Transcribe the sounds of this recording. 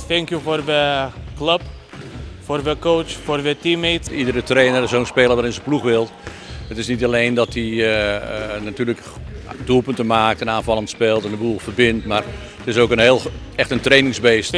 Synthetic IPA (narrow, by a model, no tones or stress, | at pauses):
θɛŋkjuforʋəkləp | forʋəkowt͡ʃforʋətimetidəɾətreːnəɾɪsoːnspeːlˠəʋaɾɪnsəpluxʋɪlˠ | ətɪsnitalejndɔti | natyːrlək | dulˠpøntəmaːk̚tɛnaːnvɑlˠəntspeːlˠtɛndəbulˠfərbɪntmar | ətɪsowkənɦeːlˠ | ɛxtəntreːnɪŋzbeːst